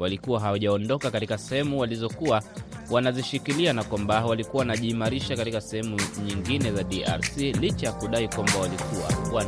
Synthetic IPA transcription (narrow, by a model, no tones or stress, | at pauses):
walikuwaɦawaʄaɔndɔkakatikasɛhɛmuwalizɔkuwawanaziʃikilianakwambawalikuwawanaʄiːmaɾiʃakatikasɛhɛmuɲiŋɡinɛzaɗia̰ɾsilit͡ʃajakuɗaikwambawalikuwa̰wa